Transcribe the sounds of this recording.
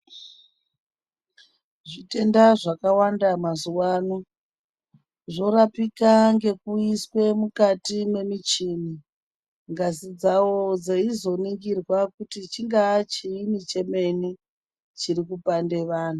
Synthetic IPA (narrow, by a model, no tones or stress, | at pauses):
ʐite̞ndaʐakawandamazuwaːno | ʐo̞ɾapikaŋɡe̞kuiswe̞mukatimwe̞mit͡ʃini | ŋɡazid͡zawod͡zeizo̞niŋɡirwakutit͡ʃiŋɡat͡ʃiimit͡ʃe̞me̞ni | t͡ʃirikupande̞ʋaːn̤u